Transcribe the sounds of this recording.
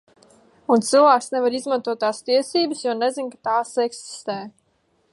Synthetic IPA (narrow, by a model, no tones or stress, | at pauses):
unt̪sɨlˠvæːksnɛvaɾizmant̪uɔt̪̚ːaːst̪iɛsiːbəsjuɔnɛzinkḁt̪aːseksi̥st̪ɛː